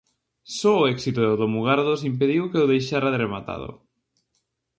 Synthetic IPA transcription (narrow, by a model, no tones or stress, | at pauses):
sɔːɛksit̪oðoðomuɣaɾðosimp̬eðiwkeʊðejʃaɾaðɾemat̪a̰ðʊ̰